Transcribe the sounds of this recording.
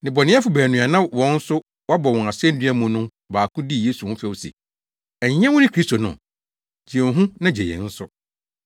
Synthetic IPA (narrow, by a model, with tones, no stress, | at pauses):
nɪ̃˨bɔ˨nɪ̃˦ɛ˦fʊ˨bæː˨nũ˨a˨nã˦wɔ̃˨˦n̩˦sʊ˦ | wɔ˦bɔ˨wɔ̃˨a˨sɛ˦n˦dæ˦mʊ̃˨nʊ̃˦ | baː˨kʰʊ̃˦di˦˨je˦su˨hʊ̃˦fɛ˦wsḛ˨ | ɛ˨ɲ˦ɲ˦ɛ̃˦wʊ̃˦nɪ̃˦kʰɾi˦sto˨nʊ̰̃˨ | d͡ʑi˨ɛ̃˨ɦũ˦nã˦d͡ʑe˨jɛ̰̃˨n̩˦sʊ˦